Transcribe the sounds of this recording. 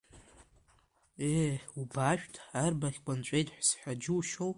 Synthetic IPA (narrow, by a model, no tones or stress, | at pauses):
eubaʃᶣtʰʼarbaχʲkʷʼant͡ʃʷʼe̞jtʼħʷsħʷᶣad͡ʒuwʃow